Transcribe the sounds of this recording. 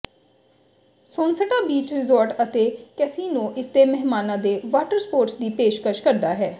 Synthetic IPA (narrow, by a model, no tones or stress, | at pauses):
soːnsəʈaːbiːt͡ʃɾɪzoːɾʈət̪eːkəsiːnũːʔɪst̪eːmɛɦmaːnãːd̪eːʋaːʈəɾspoːɾʈsd̪iːpeːʃkəʃkəɾd̪aːɦɛː